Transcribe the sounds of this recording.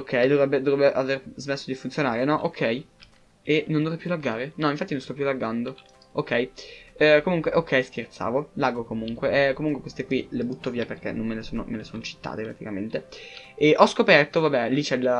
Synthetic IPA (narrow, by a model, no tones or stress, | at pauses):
okʰːɛjd̪ovɾɛbːed̪ovɾɛbːeʔaverzmesːod̪ifunt̪sjonaːɾenɔʔokʰːɛj | enond̪ovrɛjpʰːjulaɡaːɾenɔiɱfat̪ːinonst̪ɔpːjulaɡand̪o | okːɛj | komuŋkweʔokʰːɛjskert̪sa̰ːvolaːɡokomuŋkweʔkːomuŋkwekwest̪ekwilebut̪ːoviːaperk̟ḛnomːelesoːno̰melesoːnot͡ʃi̥t̪ːa̰ːt̪epɾat̪ikament̪eeʔɔskopɛrt̪ovabɛlit͡ʃɛl